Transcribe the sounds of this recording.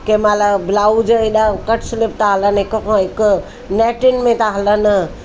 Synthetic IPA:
kemaləblaːud͡ʒəiɗakəʈʰslɪpʰt̪aɦələnɪkokõɪk | nɛːʈɪnmẽt̪aɦələn

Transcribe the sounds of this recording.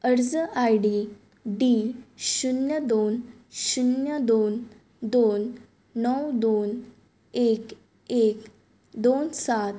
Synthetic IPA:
əɽd͡zəʔajɖi | ɖiɕunjəd̪on | ɕunjəd̪on | d̪onː | əwd̪on | ek | ek | d̪onsat̪̚

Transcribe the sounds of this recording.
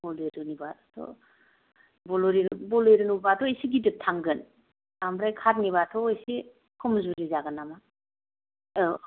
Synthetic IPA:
bɔlejɾɯnibatʰɔ̰ | bɔlɔɾiɾbɔlɔjɾɯnubatɔesiɡidɯtʰaŋɡɯn | amɾajkʰat̚niβatʰɔjsi | kʰumzuɾizaɡɯnama

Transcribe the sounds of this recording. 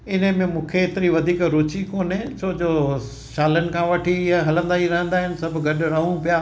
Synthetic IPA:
ɪn̤əmẽmũːkʰeːt̪ɪɾiʋɐd̪ʱiːkɾʊt͡ɕikoːnɪ̃t͡ɕʰoːd͡ʑoː | ʃaːlənɪ̆kʰãʋɐʈʰijaɦɐlə̃nd̪aːiɾɐɦə̃nd̪aːɦɪn̆sɐbʱɡɐɗʊɾɐɦũpijaː

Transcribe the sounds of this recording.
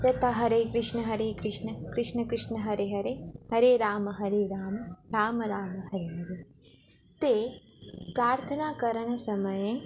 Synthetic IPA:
ɾɐt̪aɦɐɾeːkɾɪʂnɐɦɐɾeːkɾɪʂnɐkɾɪʂnɐkɾɪʂnɐɦɐɾeɦɐɾeːhɐɾeːɾaːmɐɦɐɾeːɾaːmɾaːmɐɾaːmɐɦɐɾeɦɐɾe | t̪eː | pɾaːɾt̪ʰɐnaːkɐɾɐnɐsɐmɐjẽ

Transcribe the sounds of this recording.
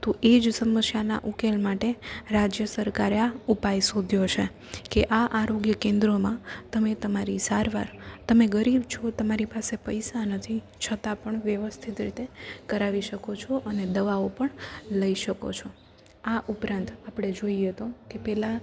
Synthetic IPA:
t̪oʔed͡ʒsəməsjana̰ʔukelmaʈeɾad͡ʒjəsəɾkaɾaupajsod̪ʱjot͡ʃʰe | keʔaʔaɾoɡjəkẽnd̪ɾomãt̪əmet̪əmaɾisaɾʋa̰ɾt̪əmeɡəɾibt͡ʃʰot̪əmaɾipasepəjsanət̪ʰi | t͡ʃʰət̪apəɳʋjəʋəst̪ʰit̪ɾit̪ekəɾaʋiʃəkot͡ʃʰoʔəned̪əʋaopəɳləiʃəko̰t͡ʃʰo | aʔupɾãnt̪apɽ̃ed͡ʒoiet̪okepɛla

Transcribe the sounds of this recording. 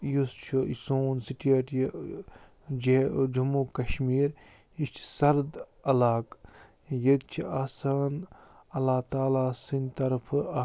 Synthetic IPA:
just͡ʃʰuisoːnsiʈɐʈj | d͡ʒed͡ʒumukɐʃmiːɾ | ist͡ʃʰi̥sɐɾd̪ɐlaːk | jəɡ̪̚t͡ʃʰiaːsaːn | ɐlːaːt̪aːlaːsinʲt̪ɐɾpʰː

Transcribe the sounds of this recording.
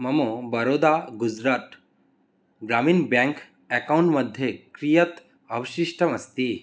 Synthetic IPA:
mɐmobɐɾoːd̪aːɡud͡ʒɾaːt̪ | ɡɾamiːnbɛ̃ŋk | ɛkawɳʈmɐd̪ʱjekɾijɐt̪ | ɐʋʃiʃʈɐmɐst̪i

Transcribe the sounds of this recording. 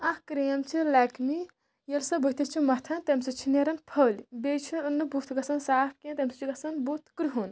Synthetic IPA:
ɐhkɾeɐmt͡ʃʰilɐkʰmi | jɐlsɐbət̪it͡ʃʰimɐt̪ʰɐnt̪emsɐt͡ʃʰineɾɐnpʰɐlbet͡ʃʰiɨnːɐbut̪ʰɡɐsɐnsaːp̚ʰkẽnt̪emsɨt͡ʃʰiɡɐsɐnbut̪ʰkɾuɦun

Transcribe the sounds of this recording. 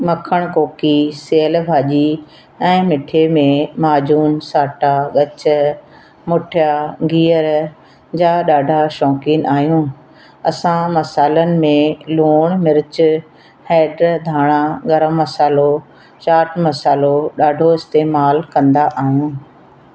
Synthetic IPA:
mɐkʰəɽ̃koːkiseːəlbʱaːʄi | ɛ̃ːmɪʈʰemẽmaːd͡ʑuːnsaːʈaɠɐt͡ɕ̆ | mʊʈʰjaɡiːəɾ | d͡ʑaːɗaːɖʱaʃɔ̃ːkiːnʔaːɦijũː | ɐsãmɐsaːlənɪ̆mẽloːɽ̃mɪɾɪt͡ɕʊ | hɛːɖɾd̪ʱaːɽ̃ãɡɐɾəmːɐsaːlo | t͡ɕaːʈmɐsaːloɗaːɖʱoɪst̪eːmaːlkɐ̃nd̪aʔaːɦijũː

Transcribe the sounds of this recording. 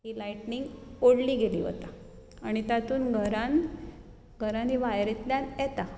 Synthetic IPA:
ɦiːlajʈniŋɡoɽliːɡeliːɦo̰t̪a | aɽ̃it̪at̪uːnɡʱəɾan | ɡʱəɾãniʋajɾit̪ljanjɛt̪a

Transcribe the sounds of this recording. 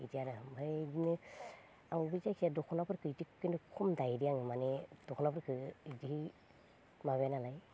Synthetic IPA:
itʰijaɾɯbʱadinɯ | awbizajkʰjadɔkʰɔnapʰɯɾkʰɯitikinɯkʰumdajɾijaŋɯmaned̥ɔkʰɔnapʰɯɾkʰɯidiɦi | maβjanalaj

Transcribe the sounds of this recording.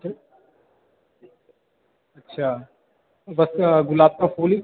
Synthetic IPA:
ɐtːʃʰaː | bɐsɡʊlaːb̚t̪afʰuːli

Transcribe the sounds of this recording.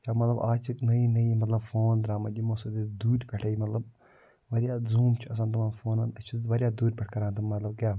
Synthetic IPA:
jaːmɐt̪lɐbaːt͡ʃiknɐjinɐjimɐt̪lɐbfoːnd̪ɾaːmɐdʲimosɐd̪id̪uːɾʲpʲɛʈʰɐjimɐt̪lɐb̚ | ʋɐɾʲijaːzuːmt͡ʃʰiɐs̬ant̪ɐmɐnfoːnɐnd̪ɐt͡ʃʰiʋɐɾʲijaːd̪uːɾʲpʲɛʈʰkɐɾaːnt̪ɨmmɐt̪lɐb̚kjaː

